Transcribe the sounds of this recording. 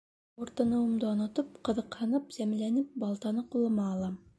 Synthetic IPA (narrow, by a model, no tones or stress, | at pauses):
uɾt̪ɤ̆nɤ̆wɤ̆md̪ɤɒnɤ̆t̪ɤp̚qɤ̆ðɤ̆qhɤ̆nɤpz̥æmlænɘp̚bɑlˠt̪ɑnɤqulˠːɤ̆mɑːlˠɑ